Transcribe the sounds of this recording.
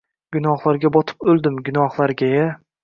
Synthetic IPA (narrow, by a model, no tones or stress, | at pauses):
ɡ̥ʲʊnɒhlˠaɾɡʲabɒt̪ʰɪ̥pɵlˠd̪ɪmɡʲʊnɒhlˠaɾɡʲaja